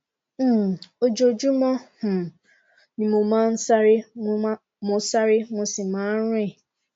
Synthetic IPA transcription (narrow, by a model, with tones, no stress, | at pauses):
m̩˦˨o˦d͡ʒo˨d͡ʒu˦mɔ̃˦h̩˨ | nĩ˨mʊ˨mã˦n̩˦sa˦ɾɪ˦ | mʊ̃˨sa˦ɾɪ˦ŋʷʊ̃˦sɪ˨ma˨˦ɾẽ˦˨